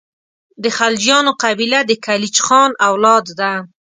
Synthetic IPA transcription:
d̪əxald͡ʒjɑnoqabilad̪əkalit͡ʃxɑnawlɑd̪ːa

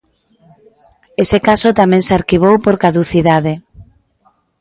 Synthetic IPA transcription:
esekasʊt̪amɛ̃ŋsaɾkiβ̞owpoɾkaðuθiðaðe

